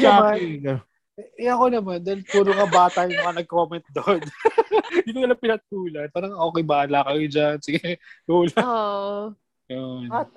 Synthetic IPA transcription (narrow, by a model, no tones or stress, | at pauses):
ɐma | ɛʔɛɐko̞nɐmand̪aːilt̪uːɾokɐbaːt̪ɐjʊmɐkɐnɐɡ̚ko̞ːmɛnt̪̚d̪on | d̪it̪ok̪ɐlɐŋpɪnɐt̪̚uːlɐn̚paːɾɐŋʔo̞ːkɛjbɐʔɐlaːkɐjod͡ʒansɪɡɛt̪uːlɐ | jon